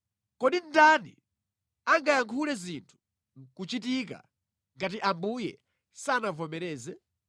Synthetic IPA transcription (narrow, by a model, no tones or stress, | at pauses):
kɔɗin̩danḭ | aŋɡajaŋkʰulɛzintʰu̥ | ŋkut͡ʃitik̬a̰ | ŋɡatiʔambujɛ̰ | saːnavɔmɛɾɛːzɛ